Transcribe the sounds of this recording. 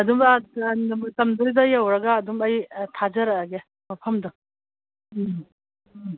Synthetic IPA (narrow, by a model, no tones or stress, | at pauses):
ɐdumanmtɐmdɯjdɐjawɾɐɡaːdumɐjtʰad͡ʒɐɾaːɡe | mɐpʰɐmdɔ